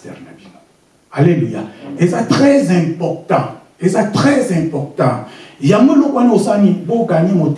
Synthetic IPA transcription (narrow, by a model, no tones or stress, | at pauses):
ɛʁnabino | aleluja̰ezatʁɛzɛ̃pɔʁt̪ɑ̃ | ezatʁɛzɛ̃pɔʁtɑ̃jamalokwaniosaniboɡaɲemot